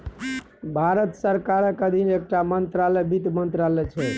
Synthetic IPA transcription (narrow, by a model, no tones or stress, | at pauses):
bʱaɾət̪səɾkaɾəkəd̪ʱinek̚ʈamənt̪ɾalɛbit̪mənt̪ɾalɛt͡ʃʰɛ